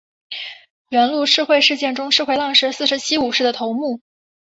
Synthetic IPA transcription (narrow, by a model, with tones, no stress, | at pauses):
ɥɛ˧˥nlu˥˧ʈ͡ʂʰɻ̩˥˧xwe˥˧ɪʂɻ̩˥˧t͡ɕjɛ˥˩nʈ͡ʂʊ˥ŋʈ͡ʂʰɻ̩˥˧xwe˥˧lɑ˥˩ŋʂɻ̩˧˥sɹ̩˥˩ʂɻ̩˧˥t͡ɕʰi˥u˨˩ʂɻ̩˥˩d̪ə˩t̪ʰo˧˥ʊmu˥˩